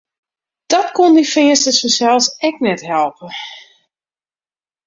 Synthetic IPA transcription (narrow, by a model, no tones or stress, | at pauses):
d̥ɔtkondifɪəstəsʋəsɛlˠsɛk̚nɛtɦɛlˠpə